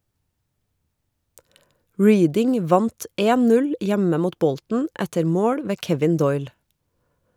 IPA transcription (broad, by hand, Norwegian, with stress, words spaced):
ˈɹiːdɪŋ ˈʋɑnt ˈeːn ˈnʉl ˈjæmə ˈmuːt ˈbɔltn̩ ˈætəɾ ˈmoːɽ ˈʋeː ˈkɛʋɪn ˈdɔʏl